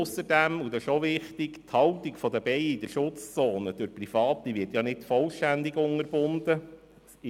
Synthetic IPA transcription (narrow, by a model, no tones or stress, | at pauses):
ʊsəɾdæmud̪ɛʃoʋɪχtɪkt̪hɑwtikfɔd̪əbɛɪid̪əʃʊt͡st͡soːnəd̥øɾprifɑːtːiʋɪɾtjɑnɪdfɔlʃtænd̪ɪɡʊŋəɾb̥ʊnd̪ə